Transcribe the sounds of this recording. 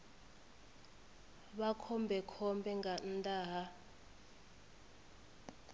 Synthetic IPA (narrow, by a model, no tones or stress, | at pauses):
ɓakʰɔmbʱɛkʰɔmbʱɛŋɡantʼaːɦa